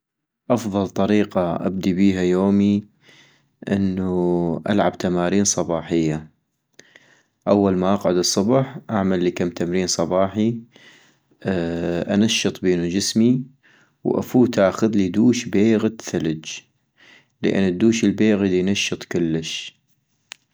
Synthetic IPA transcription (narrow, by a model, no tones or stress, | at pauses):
ʔɑfðˤɑlt̪ˤɑɾiːqɑʔa̰b̚d̪ibiːɦajoːmi | ʔɪ̰nːuʔa̰lʕab̚t̪amaːɾiːnsˤɑbɑːħɪjːa | ʔawːalmaʔɑqʕʊd̪ɨsˤːʊbħʔaʕmalːikamːt̪amɾiːnsˤɑbɑːħi | ʔa̰naʃːɨt̪ˤbiːnud͡ʒɪsmi | wʔa̰fuːt̪ʔaːxʊðlid̪uːʃbeːɣt̪θalɪd͡ʒ | lə̰ʔɪ̰nːd̪ːuːʃəlbeːɣad̪inaʃːɨt̪ˤkʊlːəʃ